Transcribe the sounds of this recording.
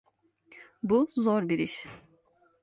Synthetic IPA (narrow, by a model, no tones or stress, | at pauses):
buzoɾbiɾiʃ